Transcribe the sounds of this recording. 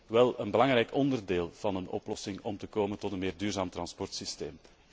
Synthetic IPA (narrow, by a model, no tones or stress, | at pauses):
ʋɛlˠənbəlɑŋɾɛjkʰɔndərdeːlˠv̥ɑnənɔ̰plɔsɪŋɔmtəkoːməntɔtənmeːrdyːrzaːmt̪rɑnspɔrtsisteːm